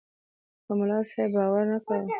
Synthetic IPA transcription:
kəmʊlɑsebɑwaɾnakaw

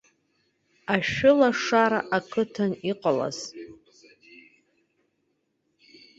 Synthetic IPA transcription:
aʃᶣʊlaʂaɾaʔakʰɨtʰaniqʼala̰z̥

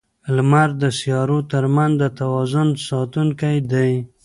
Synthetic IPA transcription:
lmaɾd̪əsijɑɾot̪əɾmanzd̪ət̪awɑzʊnsɑt̪uŋkajd̪aj

